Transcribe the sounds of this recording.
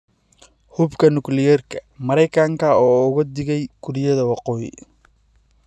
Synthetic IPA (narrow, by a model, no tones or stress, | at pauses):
hʊbkʰɐnʊklɪjɛrkʰɐ̥mɐɾɛjkʰɐŋkʰɐɔːʊɣɐd̪ɪɣɛjɡ̥ʰʊɾɪjɐðɐwɑqɔːjɪ̰